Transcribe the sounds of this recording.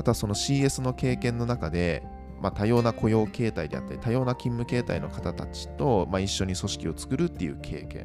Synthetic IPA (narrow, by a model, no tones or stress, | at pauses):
mat̪oaso̞no̞ɕiːe̞sɨno̞ke̞ːkẽ̞nːo̞nakad̪e̞ | mat̪ajo̞ːnakʰo̞jo̞ːke̞ːt̪aid̪e̞̰a̰t̪ːaɾʲit̪ajo̞ːnakʲĩmːɯ̟ke̞ːt̪aino̞kat̪at̪at͡ɕi̥t̪o̞maiɕːo̞ɲ̟iso̞ɕi̥kʲio̞t͡sɨ̥kɯ̟ɾɯ̟t̪ːe̞̰jɯ̟̰kʰe̞̰ːkḛ̃